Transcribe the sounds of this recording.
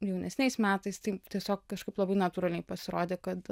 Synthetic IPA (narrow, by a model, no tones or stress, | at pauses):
jɛʊnʲɛsʲnʲɛɪsmʲæːt̪ɐɪst̪ɐɪt̪ʲiɛsʲoːk̚kɐʃkɐɪplˠɐbɐɪnɐt̪uːɾɐlʲnʲɛɪpɐsʲɪɾoːd̪ʲeːkɐt̪